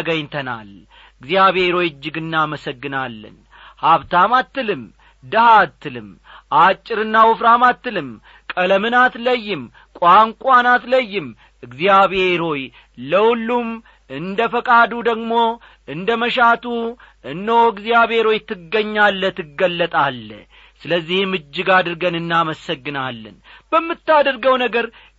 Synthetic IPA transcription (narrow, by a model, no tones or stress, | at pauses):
əɡəɲt̪ʰəna̰l | ɨɡzijaβhe̞ɾo̞jɪd͡ʒːɪɡɨnːaməsəɡːɨnalːə̰n | haβt̪amat̪ːɨlɨm | d̪əhat̪ːɨlɨm | ʔat͡ʃʼːɪɾɨnːawʊfɾamat̪ːɨlɨm | kʼələmɨnat̪ləjːɪm | kʼaŋkʷʼanat̪ləjːɪm | ɨɡzjaβhe̞ɾo̞j | ləwʊlːum | ɨnd̪əfəkʼad̪ud̪əɡmo̞ | ɨnd̪əməʃat̪u | ɨnd̪əwoɨɡzijaβhe̞ɾo̞jt̪ːɨɡːəɲːalːət̪ʰɨɡːəlːət̪ʼalːə̰ | sɨləzːihmɨd͡ʒːɨɡad̪ɨɾɡənɨnːaməsəɡːɨnalːə̰nb̥əmːɨt̪ːad̪əɾɡəwnəɡəɾ